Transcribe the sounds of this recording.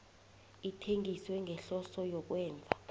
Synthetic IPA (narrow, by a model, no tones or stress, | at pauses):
itʰeŋɡʼiswɛŋʱɛɬɔsɔjɔk̬wɛːnd͡zʱa